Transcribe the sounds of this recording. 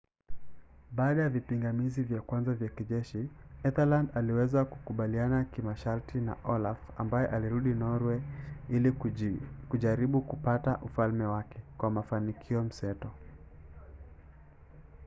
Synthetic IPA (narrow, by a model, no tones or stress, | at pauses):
ɓaːɗajavipiŋɡamizivjakwanzavjakiʄɛʃiɛθalandaliwɛzakukuɓalianakimaʃaɾtʰina̰ʔɔlafa̰mbajɛʔaliɾuɗinɔɾwɛili | kuʄaɾiɓukupataʔufalmɛwakʰɛkwamafanikʰiɔm̩sɛtɔ